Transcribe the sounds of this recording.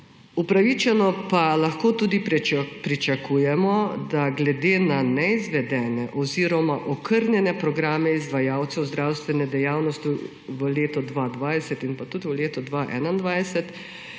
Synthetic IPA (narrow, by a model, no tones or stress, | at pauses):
upɾaʋit͡ʃɛnɔpalaxkoːt̪uːd̪ipɾit͡ʃakuːjɛmɔd̪aɡlɛd̪eːnanɛizʋɛd̪ɛːnɛʔɔziːɾɔmaʔɔkʰəɾnjɛnɛpɾɔɡɾaːmɛizd̪ʋajaːwt̪sɛwzd̪ɾawst̪ʋɛnɛd̪ɛjawnɔst̪ju | ʋəleːt̪ɔd̪ʋad̪ʋaːjsɛt̪inpat̪ud̪ʋəleːt̪ɔd̪ʋaʔɛ̰ːnand̪ʋajsɛt̪